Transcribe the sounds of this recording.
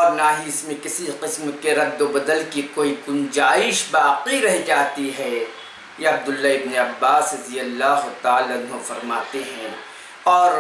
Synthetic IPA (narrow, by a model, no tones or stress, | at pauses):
ɔːɾnaɦiɪsmẽkɪsiqɪsmkeɾɐd̪ːobɐd̪əlkikoːiɡʊnd͡ʒaːɪʃbaːqiɾɛɦid͡ʒaːt̪iɦɛ | jeɐb̚d̪ʊlːaɪbneɐbːaːsɾɐzijəlːaːɦʊt̪aːlaʊnɦofɐɾmaːt̪eɦɛ̃ː | ɔːɾ